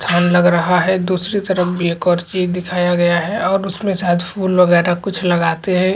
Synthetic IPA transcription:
t̪ʰaːnlɐɡɾɐɦaɦɛd̪uːsɾit̪əɾəfbʱieːkɔːɾt͡ʃiːzd̪ɪkʰaːjaɡɐjaɦɛɔːɾʊsmẽsaːt̪pʰuːlʋəɡɛːɾakʊt͡ʃʰlɐɡaːt̪eɦɛ̃

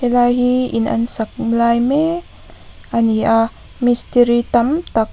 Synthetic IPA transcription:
elaɦiḭna̰nsak̚mlajme | ania | mist̪iɾit̪amt̪ak̚

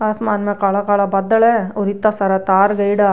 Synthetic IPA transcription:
ɐsmaːnmɐkaɭɐkaːɭɐbɐd̪ːɐɭeoɾit̪ːasɐɾɐt̪aːɾɡɐjɽɐ

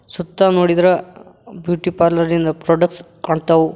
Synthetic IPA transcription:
sut̪ːanoːɽid̪ɐɾɐbjuːʈipaːɾlɐɾnind̪ɐpɾoːɖɐks | kaːɳɖt̪ɐʋu

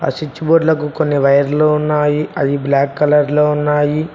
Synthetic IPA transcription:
a̰sit͡ʃːiboːɖlɐkukonːiʋɐjɐɾloːunːaːjiɐd̪iblaːkːɐlɐɾloːunːaːji

